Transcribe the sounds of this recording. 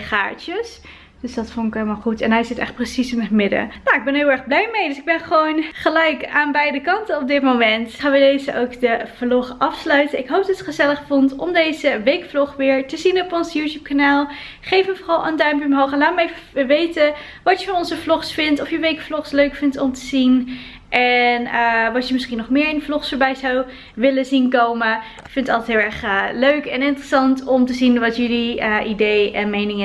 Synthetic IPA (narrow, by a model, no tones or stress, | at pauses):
χa̰ːɹtəs | d̥øsdɑtfɔnɪkɦejlˠmaːlˠχutɛnɦɛjzɪtɛ̰χt̚prəsisɪnɦətmɪdə̰noɪɡ̚bɛnɦɪːlˠɛɹχblɛjmejdøsɪɡbɛnχəʋownχəlɛjkaːnbɛjdəkɑntənɔb̚dɪtmowmɛntχaːnʋədejzəʔowkdəv̥lɔχʔɑfslœɥtənɪkɦowp̚dɑtətχəzɛləχfɔntɔmdejzəʋejkflɔχʋɪːɹtəzinɔpɔnsjutjup̚kanaːlˠ | χejfəmvɔrɑlˠə̰ndœɥmpəmɦowχɛnlaːtməevəʋejtə | ʋɑtjəfɑnɔnzəflɔχsfɪntɔfjəʋejkflɔχsløɥkfɪntɔmtəzin | ʔɛnəʋɑtjəmɪsχinɔχmɪːɹɪnəflɔχsfəɹbɛjzɑw | ʋɪləzinkowmə | fɪntətɑlˠtɛtɦɪlˠɛɹχəløɥkɛnɪntərəsɑntɔmtəzinʋɑtjɵliəʔidejʔɛnmejnɪŋə